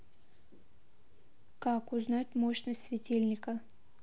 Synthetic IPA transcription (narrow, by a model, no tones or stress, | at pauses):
kakʊznatʲmoɕnəsʲtʲsʲvʲɪtʲelʲnʲɪkə